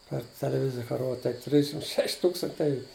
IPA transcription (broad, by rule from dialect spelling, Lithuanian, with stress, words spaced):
pɐr tʲɛlʲɛˈʋʲɪzʲɪjɛ kɐ ˈroːt tɐɪ ˈtʲrʲɪʃʲɪm ˈʃʲɛʃʲ ˈtuːkstɐnʲtʲɛɪ